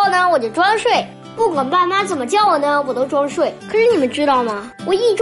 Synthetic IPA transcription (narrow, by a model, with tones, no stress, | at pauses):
ʊnə˧wɔ˨˩t͡ɕjo˥˩ʊʈ͡ʂwa˥nʂwe˥˩ɪ | pu˥˩kʰwa˨˩npa˥˩nma˥t͡sə˨˩nmə˦t͡ɕjɑ˥˩ʊwɔ˨˩nə˦wɔ˨˩t̪o˥ʊʈ͡ʂwa˥nʂwe˥˩ɪkʰɤ˨˩ʂɻ̩˧˥ni˨˩mə˦nʈ͡ʂɻ̩˥t̪ɑ˥˩ʊmɐ˩ | wɔ˨˩i˥˩ʈ͡ʂ